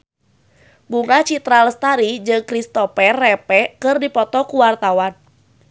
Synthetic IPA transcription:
buŋat͡ʃit̪ɾaləst̪aɾid͡ʒɨŋkɾist̪ɔpɛrːɛpɛkɨrdipɔt̪ɔkuwart̪awan

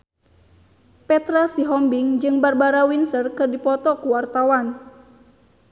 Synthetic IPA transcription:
pɛt̪ɾasiɦɔmbiŋd͡ʒɨŋbarbaɾawinsərkɨrdipɔt̪ɔkuwart̪awan

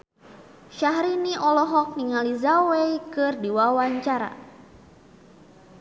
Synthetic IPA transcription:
ʃaɦɾiniʔɔlɔɦɔk̚niŋalizawejkɨrdiwawaɲt͡ʃaɾa̰

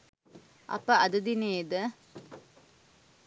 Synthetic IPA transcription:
ʔɐ̰pəʔɐd̪ɐd̪ineːd̪ə

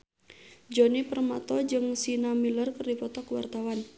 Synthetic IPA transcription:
d͡ʒɔnipərmat̪ɔd͡ʒɨŋsinamilərkərdipɔt̪ɔkwa̰rt̪awan

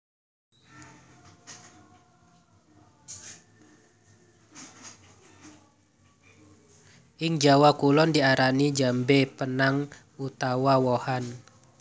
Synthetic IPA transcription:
ʔɪŋd͡ʒawakulɔndiaɾanid͡ʒambepənaŋ | ut̪awawɔhan

